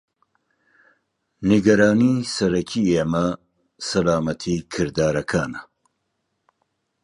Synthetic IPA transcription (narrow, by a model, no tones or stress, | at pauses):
niɡɐɾaːniːsɐɾɐkʰiːeːmɐ | sɐlaːmɐt̪ʰikʰɨɾd̪aːɾɐkʰaːnɐ